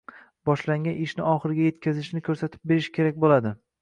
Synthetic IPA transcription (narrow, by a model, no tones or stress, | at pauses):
bɒʃlaŋɡʲanɪʃnɪɒχɨɾɪɡʲaje̞t̪kʲʰazɪʃnɪkʰɵɾsat̪ʰɪp̚be̞ɾɪʃkʲʰe̞ɾakʲbolad̪ɪ